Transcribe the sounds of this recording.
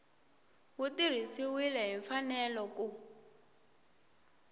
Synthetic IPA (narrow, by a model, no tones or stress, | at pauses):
wutir̤isiwilɛɦiɱfanɛlɔku